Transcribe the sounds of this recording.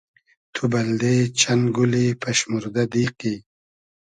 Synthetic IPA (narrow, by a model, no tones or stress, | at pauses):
t̪ʰubɐld̪et͡ʃʰanɡulipʰɐʃmuɾd̪ad̪iːqi